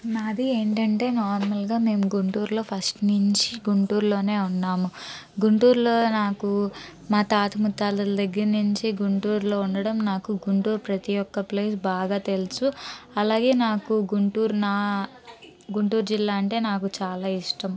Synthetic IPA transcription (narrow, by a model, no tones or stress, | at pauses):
nɐd̪ie̞ːɳʈɐɳʈe̞ːnɔːɾmɐlɡaːme̞ːmuɡuɳʈuːɾlo̞ːpʰɐsʈnuɲt͡ʃiɡuɳʈuːɾlo̞ːne̞ːunːaːmuɡuɳʈuːɾlo̞ːnaːku | maːt̪aːt̪ɐmut̪ːaːlɐld̪ɐɡːɐɾnuɲt͡ʃiɡuɳʈuːɾlo̞ːuɳɖɐɽɐmnaːkuɡuɳʈuːɾpɾɐt̪ijɔkːɐple̞ːsbaːɡaːt̪e̞lusuɐlaːɡe̞ːnaːkuɡuɳʈuːɾnaː | ɡuɳʈuːɾd͡ʒilːaːɐɳʈe̞ːnaːkut͡ʃaːlaːiʂʈɐm